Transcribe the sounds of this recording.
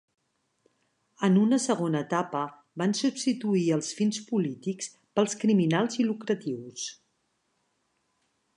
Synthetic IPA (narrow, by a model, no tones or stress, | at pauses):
ənunəsəɣ̞onəːt̪apə | bansupst̪it̪uiəlˠsfinspulit̪iks | pəlˠskɾiminalˠzilukɾət̪iws